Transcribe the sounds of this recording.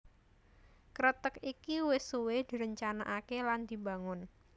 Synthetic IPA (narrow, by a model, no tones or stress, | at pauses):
kɾət̪əkikiwɪsuwɪd̪̥i̤ɾəɲt͡ʃanaʔakeland̪̥i̤ba̤ŋʊn